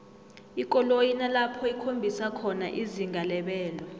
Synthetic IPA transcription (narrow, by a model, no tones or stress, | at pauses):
ikʼɔlojinalapʰɔikʰombʱisakʰɔna̰ʔiziŋɡʱalɛɓɛːlɔ